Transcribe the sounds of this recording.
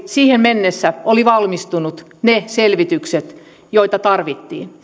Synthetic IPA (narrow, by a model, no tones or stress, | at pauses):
siːhemmenːesːæoliʋɑlmist̪unut̪ | neselʋit̪ykset̪ | joit̪ɑt̪ɑrʋit̪ːḭːn